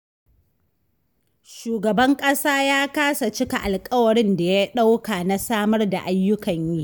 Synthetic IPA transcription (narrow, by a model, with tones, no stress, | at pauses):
ʃuː˨ɡɐ˨bɐ˦ŋkʼɐ˦saː˦jaː˦kaː˦sa˨t͡ʃɪ˦ka˨ʔa˨lkʼɐ˦wɐ˨ɽɪ˦nda˨ja˦ɗa˦wka˨na˦saː˦mɐ˦rda̰˨ʔa˦jːʊ˦kɐ˨ɲjiː˦